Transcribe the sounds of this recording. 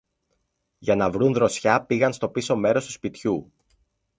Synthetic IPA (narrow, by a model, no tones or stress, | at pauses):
ʝɐnɐvɾunðɾo̞sçɐpiɣɐnst̪o̞piso̞me̞ɾo̞st̪u̥spit̪çu